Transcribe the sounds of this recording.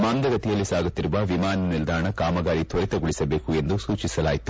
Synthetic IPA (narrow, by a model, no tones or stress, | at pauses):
maːnd̪ɐɡɐt̪ijɐlːisaːɡut̪ːiɾuʋɐʋimaːnnild̪ʱaːɳɐkaːmɐɡaːɾit̪ʰɐɾit̪ɐɡuɭisɐbeːkue̞nd̪usuːt͡ʃisɐlaːjit̪u̥